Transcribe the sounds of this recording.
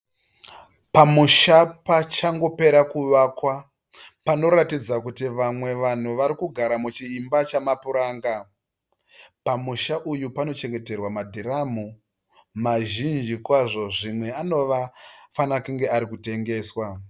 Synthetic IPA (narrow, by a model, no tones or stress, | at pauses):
pamuʃapat͡ʃaŋɡo̞pe̞ɾakuʋaːkwa | pano̞ɾatid͡zakutiʋamwe̞ʋan̤uʋaɾikuɡʱaɾamut͡ʃiːmbat͡ʃamapuɾaːŋɡa | pamuʃaʔujupano̞t͡ʃe̞ŋɡe̞te̞rwamadʱiɾamu | maʒind͡ʒikwaʐo̞ʐimwe̞ano̞ʋafanakuŋɡe̞aɾikute̞ŋɡe̞ːswa